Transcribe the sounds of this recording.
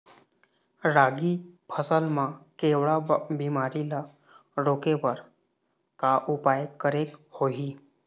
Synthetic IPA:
ɾaɡipʰəsəlmakeʋɭabimaɾila | ɾokeʋəɾ | kaʔupajkəɾekhoɦiː

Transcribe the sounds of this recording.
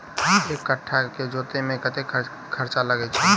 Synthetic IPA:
eːkːəʈʰːaked͡ʒoːt̪emẽkət̪ekʰ | kʰəɾt͡ʃaləɡɛt͡ʃʰɛ

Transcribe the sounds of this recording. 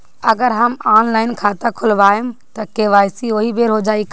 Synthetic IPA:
ɐɡəɾɦɐmaːnlaːɪnkʰaːt̪akʰʊlʋaːɪmt̪ɐkeːʋaːjsioːɦibeːɾɦod͡ʒaːik

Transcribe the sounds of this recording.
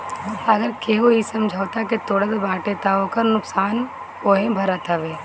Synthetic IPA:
ɐɡəɾkeɦoisɐmd͡ʒʱaːʋt̪aket̪oːɽət̪baːʈet̪aõkɐɾnʊksaːn | oːɦẽbʱɐɾət̪ʰɐʋeː

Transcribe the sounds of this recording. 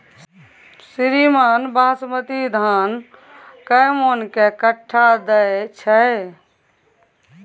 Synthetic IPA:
siɾimaːnbãːsmət̪id̪ʱaːn | kəmonkekəʈʰːad̪əet͡ʃʰəe

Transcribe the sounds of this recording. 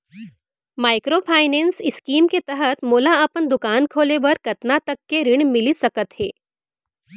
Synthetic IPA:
maːɪkɾopʰaːɪnɛ̃ːnsɪskiːmket̪ɛɦət̪moːlaɐpənd̪ʊkaːnkʰoːlebɐɾkɐt̪nat̪ɐkːeɾɪɽ̃mɪlisɐkət̪ɦɛː

